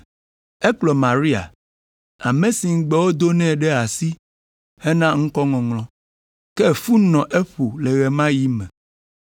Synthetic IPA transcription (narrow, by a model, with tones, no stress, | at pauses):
ɛ˦k͡plɔ˨mã˨ɾi˦a̰˨ | a˨mẽ˨si˨ŋ̩˦ɡ͡bɛ˦wo˦d̪o˦nɛ̃˦˨ɖɛ˦a˨si˦ | he˦nã˦ŋ̩̃˦kɔ˦ŋɔ̃˨ŋlɔ̃˦ | kɛ˦˨fu˦nɔ̃˨ʔe˦ɸo˨lɛ˨ɣɛ˨mã˦ji˦mɛ̃˨